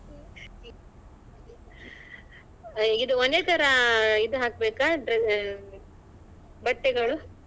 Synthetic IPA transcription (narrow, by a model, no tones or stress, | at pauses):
id̪uonet̪ʰɐɾɐid̪uɦaːk̚beːkaɖɾ | bɐʈːɛɡɐɭu